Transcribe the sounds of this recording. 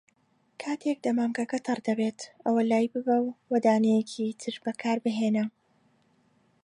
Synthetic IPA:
kʰaːt̪ʰek̚d̪ɐmaːmkɐkɐt̪ʰɨrd̪ɐbet̪ʔɐwɐlaːjbɨbɐwwɐd̪aːnɛjecʰit̪ʰɨɾbɐkʰaːɾbɨɦenɐ

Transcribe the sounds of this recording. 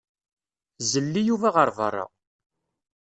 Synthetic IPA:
zəlːijuvæʁəɾˤvə̰rˤːɑ̰

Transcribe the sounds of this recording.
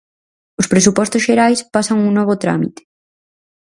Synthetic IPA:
ospɾesupɔst̪ozʃeɾajspasaŋuŋnɔβ̞ot̪ɾa̰mit̪e̥

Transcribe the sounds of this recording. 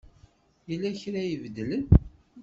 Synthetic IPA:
jəlːæçɾæjəvd̪ələn

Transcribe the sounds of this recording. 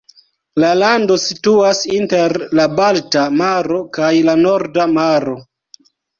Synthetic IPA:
lalando̞situasinteɾlabaltamaɾo̞kajlano̞ɾdamaɾo̞

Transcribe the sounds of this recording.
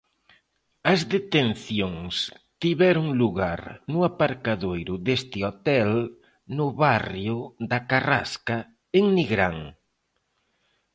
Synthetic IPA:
ɐzðet̪enθjoŋs | t̪iβɛɾʊŋluɣa̰ɾnʊapaɾkaðojɾʊðest̪ɪot̪ɛl | nʊβarjʊd̪ɐkara̰ska | eŋniɣɾaŋ

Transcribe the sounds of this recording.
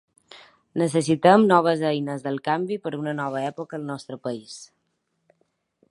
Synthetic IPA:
nəs̬əs̬it̪əmnɔβ̞əzəjnəzðəlˠkambipəɾunənɔβ̞əɛpokəːlˠnɔst̪ɾəpəis

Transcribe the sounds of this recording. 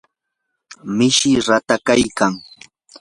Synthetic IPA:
mɪʃɪɾat̪akajkaŋ

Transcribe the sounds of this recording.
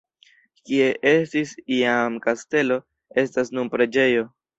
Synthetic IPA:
kie̞ʔe̞stisiamkaste̞lo̞ | e̞stasnumpɾe̞d͡ʒe̞jo̞

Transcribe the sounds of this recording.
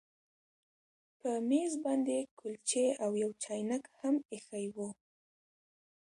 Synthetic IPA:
pəmezbɑnd̪ekʰʊlt͡ʃeawjawt͡ʃɑjnakhamexajwu

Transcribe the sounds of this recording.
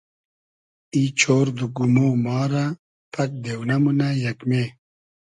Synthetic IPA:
it͡ɕʰoːɾd̪uɡumoːmɑːɾa | pʰɐk̚d̪ewnɐmunajɐkmeː

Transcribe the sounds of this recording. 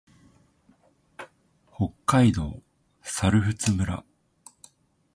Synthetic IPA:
ho̞kːaid̪o̞̰ː | saɾɯ̟ɸɯ̟t͡sɨmɯ̟ɾa̰

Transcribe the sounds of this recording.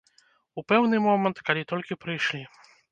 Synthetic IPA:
upɛwnɨmɔmɛnt̪kalʲit̪ɔlʲkʲipɾɨjʂlʲi

